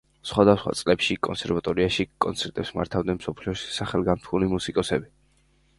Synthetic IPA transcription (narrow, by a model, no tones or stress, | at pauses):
sχwad̪asχwa̰t̪sʼlɛpʃikʼɔnsɛɾvat̪ʼɔɾiaʃikʼɔnt̪sʰɛɾt̪ʼɛpsmaɾt̪ʰavd̪ɛnmsɔpʰliɔʃi̥saχɛlˠɡamt̪ʰlulimusikʼɔsɛbi